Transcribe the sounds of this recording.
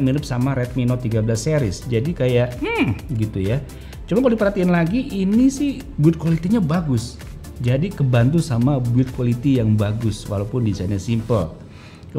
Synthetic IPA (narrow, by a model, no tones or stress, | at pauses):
miɾʊp̚samaɾɛt̪̚minɔt̪ːiɡabəlaseɾɪsd͡ʒadikajaʔm̩ɡit̪uja | t͡ʃumakaldipəɾhat̪ianlaɡiʔinisɪh | buɪt̪̚kwalit̪iɲabaɡʊs | d͡ʒadikəbant̪̬usamabuɪt̪̚kwalit̪ijaŋbaɡʊswa̰lapʊndisanasimpə̰l | k